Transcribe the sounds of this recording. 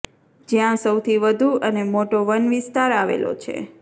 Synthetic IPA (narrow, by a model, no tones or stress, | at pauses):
d͡ʒjãsəwt̪ʰiʋəd̪ʱuənemoʈoʋənʋist̪aɾaʋḛlo̰t͡ʃʰḛ